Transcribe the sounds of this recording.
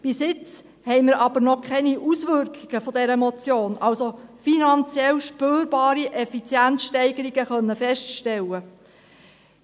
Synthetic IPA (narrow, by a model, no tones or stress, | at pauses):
b̥ɪsɪt͡s | hɛɪməɾɑb̥əɾnɔkʰχɛniʔusʋʏɾkiɡ̥əfɔdɛɾəmɔt͡sjoːnʔɑlsofinɑnt͡sjɛlʃpøːɾbɑːɾiʔɛfit͡sjænt͡ssʃtɛɪɡəɾiɡəχœnːəfɛʃtʃtɛlːə